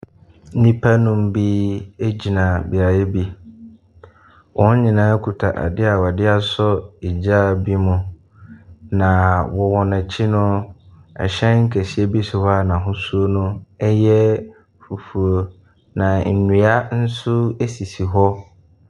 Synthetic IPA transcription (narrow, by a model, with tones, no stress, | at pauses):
nĩ˦pʰa˦nʊ̃˦m̩˦bi˦e˦d͡ʑi˨nã˨bi˨a˨je˦bi˦ | wʔɔ̃˦n˦ɲĩ˨nã˨˦kʰu˨tʰa˨ʔa̰˨dɪ˦a˨wa˨dɪ˦a˨sɔ˦i˨d͡ʑa˦˨bi˦mʊ̃˦ | nã˨wɔ˨wɔ˨nã˨t͡ɕʰɪ˦nʊ̃˦ɛ̰˨ɕɛ̃˦nŋ̩˦kʰæ˨si˨˦e˦bi˦sʊ˨ha˦˨nã˨ɦʊ̃˦su˦o˦nʊ̃˦ɛ˦jɛ˦ | fu˨fu˨o˨ | nã˨n̩˨nũ˨a˦n̩˦sʊ˦e˦si˨si˨ɦɔ˦